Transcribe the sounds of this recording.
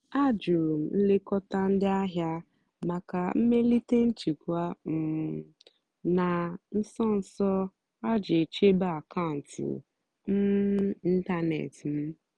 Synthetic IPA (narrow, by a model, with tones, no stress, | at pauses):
a˦d͡ʒʊ˨ɾu˨m̩˨n̩˦le˦kɔ˦ta˦n̩˦dɪ˦a˦ɦja˦ | ma˨ka˨m̩˦me˦li˦te˦n̩˦t͡ʃi˨kʷa˦m̩˨ | na˨n̩˦sɔ˦n̩˨sɔ˦ | a˦d͡ʒe˨t͡ʃe˦ba˦a˨ka˦˨n̩˨tṵ˨ | m̩˦i˦ta˦nḛ˨tm̩˦